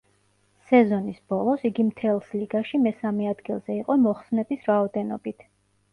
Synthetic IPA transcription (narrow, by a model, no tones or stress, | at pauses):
sɛzɔnisb̥ɔlˠɔsiɡimt̪ʰɛlˠsliɡaʃimɛsamɛad̪ɡilˠz̥ɛiqʼɔmɔχsnɛbisɾaɔd̪ɛnɔ̰bit̪ʰ